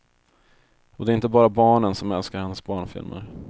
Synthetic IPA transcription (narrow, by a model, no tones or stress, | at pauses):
ɔd̪ɛːɾɪnt̪əbɑːɾabɑːɳənsɔmɛlskaɾhɛnːəsbɑːɳfɪ̰lmə̰ɾ